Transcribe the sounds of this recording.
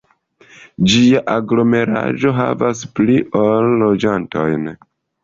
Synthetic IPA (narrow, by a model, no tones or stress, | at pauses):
d͡ʒiaʔaɡlo̞me̞ɾa̰ʒo̞ɦa̰vas̬pliʔolːo̞d͡ʒanto̞̰jn